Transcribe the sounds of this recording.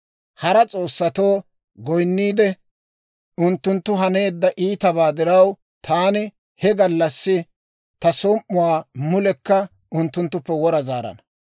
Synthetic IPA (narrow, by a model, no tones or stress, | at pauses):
hɐɾɐt͡sʼo̞ːsːɐt̪oː | ɡɔjnːiːd̪ɛ | ʊnt̪ːʊnt̪ːʊɦɐne̞ːd̪ːɐʔiːt̪ɐβaːd̪ɪɾɐw | t̪ʰaːnɪ | hɛɡɐlːɐsːɪ | t̪ɐsɔmːʊwaːmʊlɛkːɐ | ʊnt̪ːʊnt̪ːʊpːɛwɔɾɐzaːɾɐ̰nɐ